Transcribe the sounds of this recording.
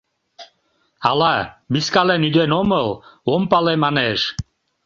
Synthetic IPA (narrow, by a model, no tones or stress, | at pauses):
alˠabiskalɛnyd̪ɛnɔməlˠɔmpalɛmanɛʃ